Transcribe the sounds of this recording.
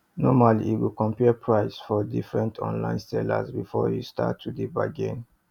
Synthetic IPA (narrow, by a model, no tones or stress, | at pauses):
nɔmalḭːwikɔ̃mpɛpʰɹaɪsfɔdifɹɛ̃ntʰɔ̰̃nlã̰ɪ̃nsɛla̰sbifɔjusta̰tʰːudibaɡẽn